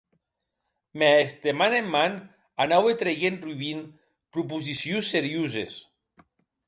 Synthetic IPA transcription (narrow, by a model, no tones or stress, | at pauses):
meest̪emanemːan | anawet̪ɾejenruβin | pɾup̬uzisjunsːeɾjuzḛs